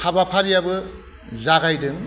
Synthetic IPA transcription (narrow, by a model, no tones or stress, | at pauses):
habapʰaɾijabɯ | zaɡajdɯŋ